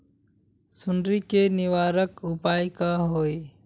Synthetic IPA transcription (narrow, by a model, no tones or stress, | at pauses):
sʊnɾikenɪʋaːɾəkʊpaːjkaɦoːi